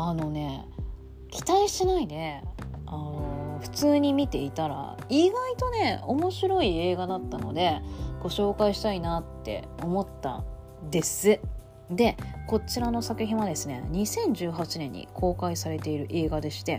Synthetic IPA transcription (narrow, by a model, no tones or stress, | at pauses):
ano̞ne̞ | kʲi̥t̪aiɕinaid̪e̞anoɸɯ̟̥t͡sɨːɲ̟imʲit̪e̞it̪aɾa̰ | iɡait̪o̞ne̞o̞mo̞ɕiɾo̞ie̞ːɡad̪at̪ːano̞̰d̪e̞ɡ̥o̞ɕo̞ːkaiɕi̥t̪ainat̪ːe̞̰o̞mo̞t̪ːa̰ | d̪e̞sɨ | d̪e̞ko̞t͡ɕiɾano̞sakɯ̟ɦẽɰ̃βad̪e̞sɨne̞̰ɲ̟isẽ̞ɲ̟d͡ʑɨːɦat͡ɕinẽ̞ɲ̟ːḭkʰo̞ːkaisaɾe̞t̪e̞iɾɯ̟ʔe̞ːɡad̪e̞ɕi̥t̪e̞